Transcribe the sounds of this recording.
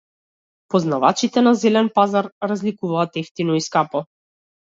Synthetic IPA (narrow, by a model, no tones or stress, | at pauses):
pɔznava̰t͡ʃit̪ɛnazɛlɛnpazaɾɾazlikuvaːt̪ɛft̪inɔiskapɔ